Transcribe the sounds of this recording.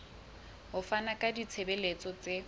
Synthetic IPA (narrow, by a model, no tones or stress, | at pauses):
ɦʊfanakʼadit͡sʰebelet͡sʼɔt͡se